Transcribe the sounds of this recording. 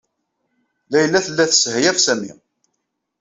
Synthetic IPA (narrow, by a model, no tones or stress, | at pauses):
læjəlːæθəlːæθsəhjæfsæmḭ